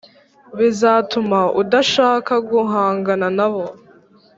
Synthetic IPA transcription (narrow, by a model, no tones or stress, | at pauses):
βizaːtumaudaʃaːkaɡuɦaːŋɡananaβo